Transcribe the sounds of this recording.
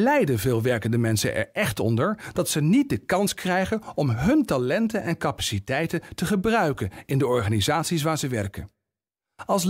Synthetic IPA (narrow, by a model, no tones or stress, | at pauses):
lɛjdəvɪːlˠʋɛɹkəndəmɛnsə̰nʔɛ̰ɹʔɛχtɔ̰ndəɹd̥ɑtsənit̚dəkɑnskrɛjχənɔmɦɵntalɛntənʔɛnkapḁsitɛjtəntəχəbrœɥkənɪndəɔɹχaːnizaːtsis̬ʋaːɹzəʋɛɹkən | ɑlˠs